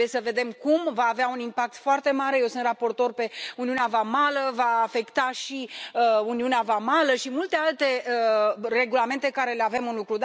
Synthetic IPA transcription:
jesəve̞d̪e̞mkumvaːveaunimpak̚t̪foart̪e̞maɾe̞je̞wsɨnt̪rapo̞rt̪o̞rpe̞uniuneavamaləvaːfe̞kt̪aʃiəuniuneavamaləʃimult̪e̞alt̪e̞əre̞ɡulame̞nt̪e̞kaɾe̞leave̞mɨnlukɾud̪

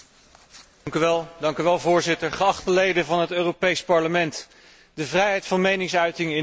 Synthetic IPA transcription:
ŋkyʋɛlˠdɑŋkyʋɛlˠvʊːɹzɪtəɹχəɑχtəlejdənvɑnɦətøːropejspɑɹləmɛnt | dəvrɛjɦɛjtfɑnmejnɪŋsœɥtɪŋɪ

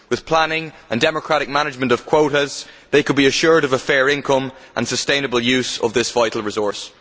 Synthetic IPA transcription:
wɨð̥pʰl̥ãnɪ̃ŋ | ə̃ndɛməkʰɹ̥aɾɪk̚manɪd͡ʒmə̃ntʌv̥kʰw̥oʊɾəz̥ | ðeɪkʰəd̚biəʃʊɹɾʌvəfɛːɹɪ̃nkʰʌ̃mʔə̰̃nsəstẽɪ̃nəbəlˠjʉːz̥ə̰vðɪsv̥aɪɾl̩ˠɹɪzɔɹs

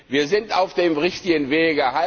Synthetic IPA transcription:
viːɐzɪntaʊfd̥eːmʁɪçtɪɡənveːɡæha

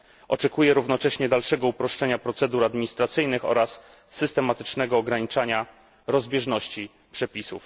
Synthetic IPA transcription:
ʔɔt͡ʂɛkujɛɾuvnɔt͡ʂɛɕɲɛd̪alʂɛɡɔupɾɔʂt͡ʂɛɲapɾɔt̪sɛd̪uɾad̪mʲiɲist̪ɾat̪sɘjnɘxɔ̰ɾasː | ɘst̪ɛmat̪ɘ̥t͡ʂnɛɡɔːɡɾaɲit͡ʂaɲa | ɾɔzbʲjɛʐnɔɕt͡ɕi | pʂɛpʲisṵf

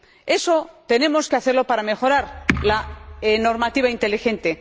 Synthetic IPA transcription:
e̞so̞t̪e̞ne̞mo̞skeaθe̞ɾlo̞paɾame̞xo̞ɾaɾlaeno̞ɾmat̪iβ̞aint̪e̞lixe̞nt̪e̞

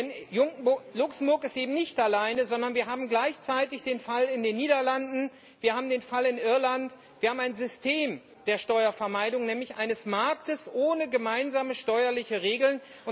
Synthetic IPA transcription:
ɛnjʊŋlʊksm̩bʊɐkɪstʔeːbm̩nɪçtʔalaɪnəzɔndɐnviːɐɦaːbm̩ɡlaɪçt͡saɪtɪçd̥eːnfalɪndeːnːiːdɐlandn̩ | viːɐhaːbm̩deːnfalɪnʔɪɐlant | v̥iɐhaːbm̩aɪnzʏstʰeːm | d̥eːɐʃtɔʏɐfɛɐmaɪdʊŋnɛːmlɪçʔa̰ɪnəsmaɐk̚təsʔoːnəɡəmaɪnzaːməʃtɔʏɐlɪçəʁeːɡl̩n | ʔʊn

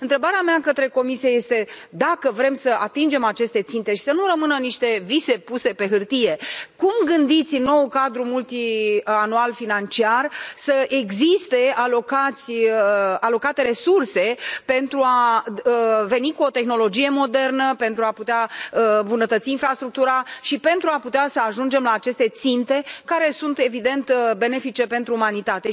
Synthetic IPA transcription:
ɨnt̪ɾe̞baɾeamakət̪ɾe̞ko̞misijeje̞st̪e̞ | d̪akəvɾe̞msəʔat̪ind͡ʒe̞mat͡ʃe̞st̪e̞t̪sint̪e̞ʃi̥sənuɾəmɨnəniʃt̪e̞vise̞puse̞pe̞ɦɨrt̪ije̞kumɡɨnd̪it̪sʲno̞wkad̪ɾumult̪ianualfinant͡ʃiarsəʔe̞ɡzist̪e̞alo̞kat̪sʲ | alo̞kat̪e̞ɾe̞surse̞pe̞nt̪ɾua | ve̞nikuo̞t̪e̞xno̞lo̞d͡ʒije̞mo̞d̪e̞rnəpe̞nt̪ɾuaput̪eaəmbunət̪ət̪siːnfɾast̪ɾuk̚t̪uɾaʃipe̞nt̪ɾuaput̪easəaʒund͡ʒe̞mlaːt͡ʃe̞st̪e̞t̪sint̪e̞kaɾe̞sunt̪e̞vid̪e̞nt̪be̞ne̞fit͡ʃe̞pe̞nt̪ɾuːmanit̪at̪e̞

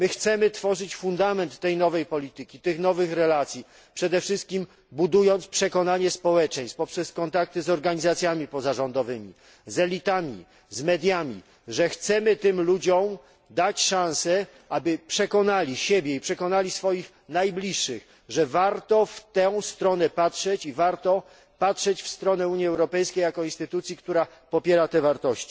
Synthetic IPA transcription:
mɘxt̪sɛmɘt̪fɔʐɘt͡ɕfund̪amɛnt̪ːɛjnɔvɛjpɔlʲit̪ɘkʲit̪ɘxnɔvɘxɾɛlat̪sʲji | pʂɛd̪ɛfʂɘst̪̚kʲim | bud̪ujɔnt̪spʂɛkɔnaɲɛspɔwɛt͡ʂɛ̃j̃spɔpʂɛskɔnt̪ak̚t̪ɘzɔɾɡaɲizat̪sʲjamʲipɔzaʐɔnd̪ɔvɘmʲḭ | zɛlʲit̪amʲḭ | zmɛd̪ʲjamʲḭ | ʐɛxt̪sɛmɘt̪ɘmlud͡ʑɔ̃m | d̪at͡ɕʂãw̃sɛ | ʔabɘpʂɛkɔnalʲiɕebʲjɛipʂɛkɔnalʲisfɔjix | najblʲiʂːɘx | ʐɛvaɾt̪ɔft̪ɛw̃st̪ɾɔnɛpatʂɛt͡ɕivaɾt̪ɔ | patʂɛt͡ɕfst̪ɾɔnɛuɲjiɛwɾɔpɛjskʲejakɔinst̪ɘt̪ut̪sʲjikt̪uɾa | pɔpʲjɛɾat̪ɛvaɾt̪ɔɕt͡ɕi̥

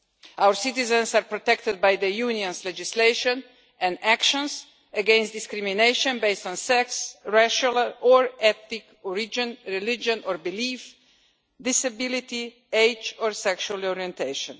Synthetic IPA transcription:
awəɾsɪt̪ɪzɛ̃nsaɾpɾɔt̪ɛkt̪əd̪̚bajd̪əjuniɔ̃nslɛd͡ʒɪsleɪʃɔ̃n | ɛ̃ndækʃɔ̃ns | əɡɛ̃nst̚d̪ɪskɾimineɪʃɔ̃nbeɪstɔ̃nsɛksɹaʃalˠɔɹɛθnɪk | ɔɹid͡ʒə̃nɹilɪd͡ʒɔ̃nɔɹbɪliːf | d̪ɪsabɪlit̪i | eɪt͡ʃɔɹsɛkʃualˠɔɹiɛ̃nt̪ʰeɪʃɔ̃n

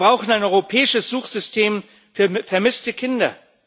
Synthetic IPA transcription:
bʁaʊxn̩aɪnʔɔʏʁopʰɛːɪʃəsz̥uːxz̥ʏstʰeːm | fyːɐfɛɐmɪstəkʰɪndɐ

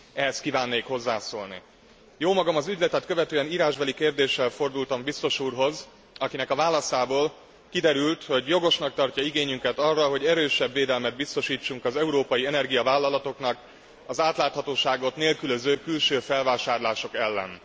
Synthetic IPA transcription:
ɛɦɛst̪̚kivaːnːeːkho̞zːaːsoːlnḭ | joːmɒɡɒmɒzyɟlɛt̪ɛt̪køvɛt̪øːɛniːɾaːʒbɛlikeːrd̪eːʃːɛlfo̞rd̪ult̪ɒmbist̪o̞ʃuːrɦo̞z | ɒkinɛkɒvaːlɒsaːboːl | kid̪ɛɾylt̪ho̞ɟjo̞ɡo̞ʃnɒk̚t̪ɒrcɒiɡeːɲyŋkɛt̪ɒrːɒɦo̞ɟɛɾøːʃɛbːeːd̪ɛlmɛd̪̚bist̪o̞ʃiːt͡ʃːuŋkɒzɛuɾoːpɒjiɛnɛrɡijɒvaːlːɒlɒt̪o̞knɒk | ɒzaːt̪laːt̪hɒt̪oːʃaːɡo̞t̪neːlkyløzøːkylʃøːfɛlvaːʃaːrlaːʃo̞kɛlːɛ̰n

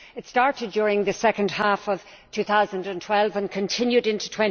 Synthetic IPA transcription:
ɨtstɑɹɾɨd̚d͡ʒɔːɹɪ̃ŋðɨsɛkə̃nd̥hafʌv̥ | tʰʉθaʊzə̃ndə̃ntʰw̥ɛlˠvə̃nkʰə̃ntʰɪ̃njʉɾɪ̃ntu̥tʰw̥ɛ̃n

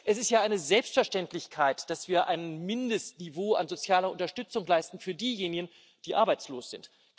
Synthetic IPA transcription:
ʔɛsɪstjaːʔaɪnəzɛlpstfɛɐʃtɛntlɪçkʰaɪtd̥asv̥iːɐʔa̰ɪnmɪndəstnivoːa̰nzot͡sjaːlɐʔʊntɐʃtʏt͡sʊŋlaɪstn̩fyːɐdiːjeːnɪɡən | d̥iːʔaɐbaɪt͡sloːsz̥ɪnt

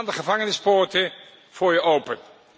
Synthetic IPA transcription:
ndəχəvɑŋənɪspɔːɹtə | v̥ʊːɹjəʔowpən

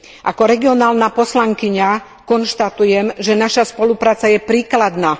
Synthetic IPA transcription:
ʔakɔɾɛɡiɔnaːlnapɔslaŋkiɲa | kɔnʃt̪at̪ujɛmʒɛnaʃaspɔlupɾaːt͡sajɛpɾiːklad̪naː

